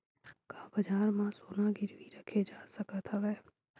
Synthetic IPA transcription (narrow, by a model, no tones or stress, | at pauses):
kaːbɐd͡ʒaːɾmãsoːnaɡɪɾʋiɾɐkʰed͡ʒaːsəkət̪ʰʋɛː